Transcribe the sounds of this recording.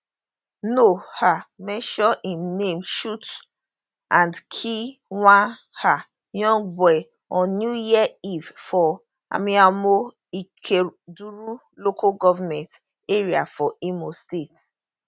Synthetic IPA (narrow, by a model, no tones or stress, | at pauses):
nohamɛ̃ʃɔʔĩmnemʃut | ʔãndkʰiwãn | ha | jɔ̃ŋɡ̚bɔɪ | ɔ̃njujiɛivfɔ | a̰miamo | ikʰeduɹu | lokʰaɡɔvamɛ̃nt | eɹiafɔʔimostet